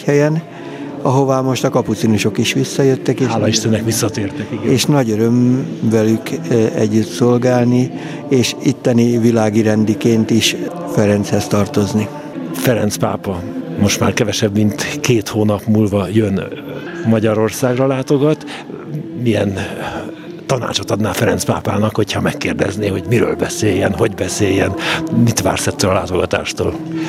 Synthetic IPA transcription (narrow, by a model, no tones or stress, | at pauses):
hɛjɛn | ɒɦo̞vaːmo̞ʃt̪ɒkɒput̪sinuʃo̞kiʃʋisːɒjøt̪ːɛkeːliʃt̪ɛnːɛkʋisːɒt̪eːrt̪ɛkiɡeːʃnɒɟøɾømvɛlykɛ̰ɟːyt̪so̞lɡaːlni | eːʃit̪ːɛnivilaːɡiɾɛnd̪ikeːnt̪iʃ | fɛɾɛnt̪shɛst̪ɒrt̪o̞zni | fɛɾɛnt̪spa̰ːpɒmo̞ʃt̪ma̰ːrkɛvɛʃɛbmint̪keːt̪hoːnɒpmuːlvɒjønmɒɟɒɾo̞rsaːɡrɒlaːt̪o̞ɡɒt̪ | mijɛn | t̪ɒna̰ːt͡ʃo̞t̪ɒd̪naːfɛɾɛnt̪spa̰ːpaːnɒkho̞chɒmɛkːeːrd̪ɛ̰zneːho̞ɟmiɾø̰ːlbɛseːjɛnɦo̞ɟbɛseːjːɛnmit̪ʋa̰ːrsɛt̪ːøːlɒlaːt̪o̞ɡɒt̪a̰ːʃt̪o̰ːl